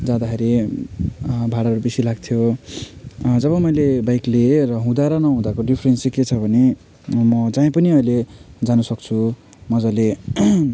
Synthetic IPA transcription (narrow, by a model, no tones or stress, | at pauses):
d͡zãd̪akʰeɾi | bʱaɽaɾubesilaɡt̪ʰjo | d͡zʌβʌmʌjlebajklerʌɦũd̪aɾʌnʌɦũd̪akoɖipʰrensiket͡sʰʌbʱʌne | mʌd͡zãĩpʌniʌjled͡zanusʌkt͡sʰu | mʌd͡zʌle